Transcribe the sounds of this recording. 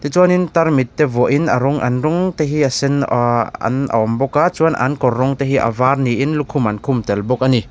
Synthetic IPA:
t̪it͡suanint̪aɾmit̪ːevɔʔinɐɾɔŋʔa̰nɾɔŋt̪eɦiasɛna̰na̰ɔmbɔkat͡suanʔa̰nkɔrːɔŋt̪eɦiʔa̰varniʔinlukʰumankʰumt̪ɛlbɔk̚ani

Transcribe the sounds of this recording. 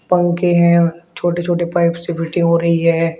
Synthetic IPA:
pɐ̃ŋɡkeɦɛ̃ːt͡ʃʰoːʈet͡ʃʰoːʈepaːɪpsebɪʈɪ̃ŋɦoːɾɐɦiɦɛː

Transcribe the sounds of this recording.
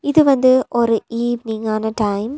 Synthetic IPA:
iðɨʋɐnd̪ɨʔoɾuiːʋniŋaːnɐʈɐjm

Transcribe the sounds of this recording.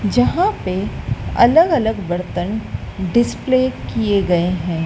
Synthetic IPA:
d͡ʒɐɦãpeɐ̰ləɡɐləɡʋɐɾt̪ənɖɪspleːkieɡɐeɦɛ̃ː

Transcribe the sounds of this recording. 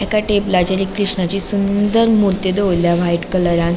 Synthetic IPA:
ɛkaʈeplad͡ʑeɾiːkɾiʂɳat͡ɕisund̪əɾmult̪ed̪eojljaʋaiʈkələɾjãn

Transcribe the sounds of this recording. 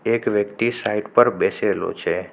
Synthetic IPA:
ekʋjəkt̪isaiɖpəɾbɛselo̰t͡ʃʰe

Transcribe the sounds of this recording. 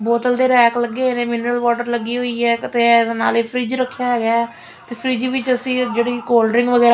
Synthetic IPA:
boːt̪əld̪eːɾɛːkləɡːeːɦeːnẽːmɪnɾəlʋaːʈəɾləɡːiːɦoiːɦɛːt̪eːeːna̰ːleːpʰɾiːd͡ʒɾəkʰːɪjaːɦɛːɡɪjaː | t̪eːpʰɾiːd͡ʒiːʋɪt͡ʃəsĩːd͡ʒeːɽiːkoːlɖɾɪ̃ŋɡʋəɡɛːɾ

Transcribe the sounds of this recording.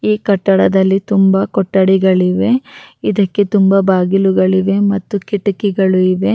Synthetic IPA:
iːkɐʈːɐɽɐd̪ɐlːit̪umbɐkɔʈːɐɽiɡɐɭiʋe̞id̪ɐkːe̞t̪umbɐbaːɡiluɡɐɭiʋe̞mɐt̪ːukiʈukiɡɐɭuiʋe̞

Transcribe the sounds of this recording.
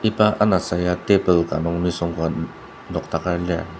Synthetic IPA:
ipaʔanasajat̪epəlkanɔŋnisɔŋka | nɔkt̪akala

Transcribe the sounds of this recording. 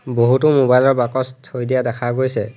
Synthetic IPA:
boɦutʊmobajlɔɹbakɔstʰːojdijadɛkʰaɡojsɛ

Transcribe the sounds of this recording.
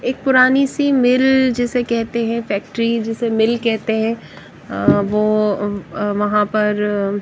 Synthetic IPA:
eːk̚pʊɾaːnisimɪld͡ʒɛːsekɛɦt̪eɦɛ̃fɛːk̚ʈɾid͡ʒɪsemɪlkɛɦt̪eɦɛ̃ | ʋoː | ʋɐɦãpɐɾ

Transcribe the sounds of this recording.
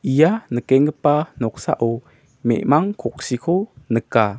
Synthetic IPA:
ʔijanəkɛŋəpanɔk̚sa̰ʔo | mɛ̰ʔmaŋkʰɔk̚sikʰonəka

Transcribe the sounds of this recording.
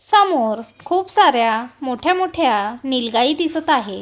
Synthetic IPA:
səmoɾkʰuːpsaɾjamoʈʰjamoʈʰjanilɡaiːd̪isət̪aɦe

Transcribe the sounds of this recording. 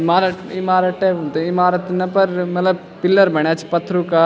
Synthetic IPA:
maːɾəʈɪmaːɾəʈebult̪eɪmaːɾət̪nɐpɐɾmɐt̪ləb | pɪlːəɾbɐɳ̃jaːt͡ʃʰi̥pɐt̪ʰːɾuka

